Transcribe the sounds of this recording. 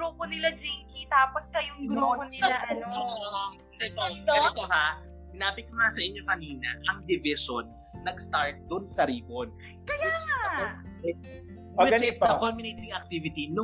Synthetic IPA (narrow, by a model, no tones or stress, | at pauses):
ɡɾuːponɪlad͡ʒɛkit̪aːposkɐjoŋɡɾuponɪllaʔɐno | d̪ɛakɐɪt̪oha | sɪnaːbɪkoŋɐsɐʔɪɲːokɐniːnɐʔɐŋd̪ɪvɪʃonː | ɐɡst̪aɹt̪̚d̪ʊnsɐɾiːpon | kɐjaaʔ | ɡɐɪɐkomːɪnejt̪ɪŋɐk̚t̪ivɪt̪inʊ